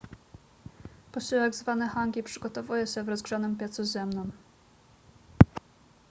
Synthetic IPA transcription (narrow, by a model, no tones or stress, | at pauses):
pɔɕiwɛɡzvanɛxaŋɡʲipʂɘɡɔt̪ɔvujɛɕɛvɾɔzɡʐanɘmpʲjɛt̪suzɛmnɔm